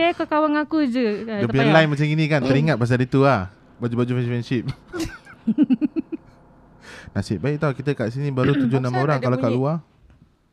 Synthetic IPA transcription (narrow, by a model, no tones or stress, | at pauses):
ekakawaŋakud͡ʒəapiəlajnmat͡ʃaŋinĩkant̪əɾiŋat̪̚bas̬alit̪uah | bad͡ʒubad͡ʒufɛnsifɛnsɪp̚ | nasɪʔ̚baɪʔ̚t̪akit̪əkaʔs̬inĩbaɾut̪ud͡ʒʊnãmãoɾaŋkalakaʔlua